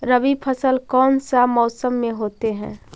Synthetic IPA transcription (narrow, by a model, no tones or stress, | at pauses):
ɾəʋipʰəsəlkɔːnsamɔːsəmːẽɦoːt̪eɦɛ̰̃ː